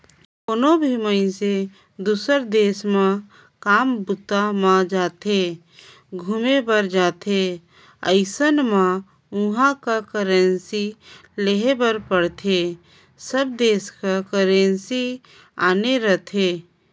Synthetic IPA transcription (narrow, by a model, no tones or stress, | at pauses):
konobʱiməɪ̃se | d̪uːsəɾd̪eːsmã | kaːmbʊt̪ːamãd͡ʒaːt̪ʰe | ɡʱumebəɾd͡ʒaːt̪ʰe | əɪsənmã | ʊ̃ɦãkakəɾənsileɦebəɾpəɽt̪ʰe | səb̚d̪eːskakəɾẽnsi | a̰ːneɾət̪ʰeː